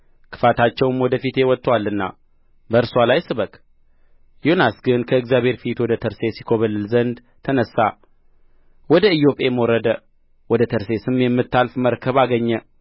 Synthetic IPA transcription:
kʰɨ̥fat̪ʰat͡ʃːɛwmwɔd̪əfit̪ewɔt̪ʼːwalːɨnːa̰ | bəɨɾswalajsɨβək | jonasɡɨnkʰəɨɡzjaβhe̞ɾfit̪wɔd̪ət̪ʰəɾse̞sikʰo̞βəlːɨlzənd̪ | t̪ʰənəsːa | wɔd̪əɨjo̞pʼe̞məwɔɾəd̪ə | wɔd̪ət̪ʰəɾse̞sɨmjɛmːɨt̪ʰːalfməɾkʰəβaɡəɲːɛ

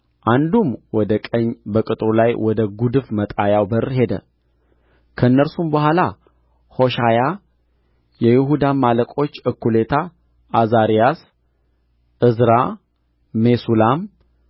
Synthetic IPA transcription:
ʔand̪umwɔd̪əkʼəɲːbəkʼɨt̪ʼɾulajwɔd̪əɡud̪ɨfmət̪ʼajawbərɦe̞d̪ə̰ | kʰəɨnːəɾsumbəhʷala | ho̞ʃaja | jɛjɪɦud̪amaləkʼo̞t͡ʃːɨkʰːule̞t̪ʰa | ʔːzaɾijas | ʔɨzɾaː | e̞sulam

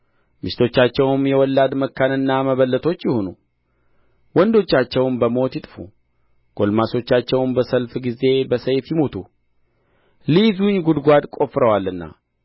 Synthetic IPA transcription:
mɨʃt̪ʰo̞t͡ʃːat͡ʃːɛwmjɛwɔlːad̪məkːanɨnːaməβəlːət̪ʰo̞t͡ʃːjɪhonu | wɔnd̪o̞t͡ʃːat͡ʃːɛwnbəmo̞t̪jiɪt̪ʼfṵ | ɡ̥o̞lmaso̞t͡ʃːat͡ʃːɛwnbəsəlfɡize̞bəsəjfjɪmot̪ʰu | lizuɲɡud̪ɡʷad̪kʼo̞fɾəwalːɨnːa̰

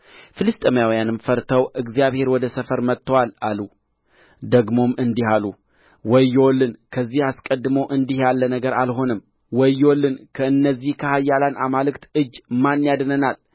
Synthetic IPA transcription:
fɨlɨst̪ʼəmijawjanɨmfəɾt̪ʰəwɨɡzijaβhe̞ɾwɔd̪əsəfəɾmət̪ʰːəwalalu | d̪əɡmo̞mɨnd̪ihalu | wɔjːwlːɨnkʰəzːihaskʼəd̪ːɨməwʔɨnd̪ihjalːənəɡəɾalɦo̞nɨm | wɔjːwolːɨnkʰəɨnːəzːihkʰəhajːalanʔamalɨkt̪ɨd͡ʒːmanːjad̪nənal

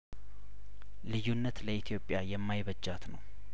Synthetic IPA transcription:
lɨjunːət̪ləit̪ʰijo̞pʼjajɛmːajβəd͡ʒːat̪nəw

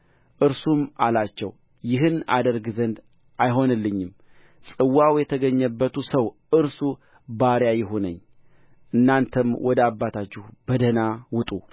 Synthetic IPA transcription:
ʔɨɾsumalat͡ʃːɛw | jɪɦɨna̰d̪əɾɡzənd̪ | ʔajɦo̞nɨlːɨɲːɪm | sʼɨwːawjɛt̪ʰəɡəɲːəbːət̪ʰusəw | ɨɾsu | baɾjajɪɦonə̰ɲː | ʔɨnːant̪ʰəmwʔɔd̪əabːat̪ʰat͡ʃːɪhbəd̪ənawʊt̪ʼu

